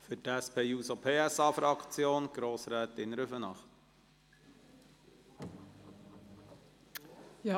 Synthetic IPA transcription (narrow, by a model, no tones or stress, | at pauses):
fʏtæspʰeːuːsopʰeːæsɑːfɾɑkt͡sjoːnɡ̥ɾoːsɾɛːt̪ɪnɾʏfənɑχt̪ | j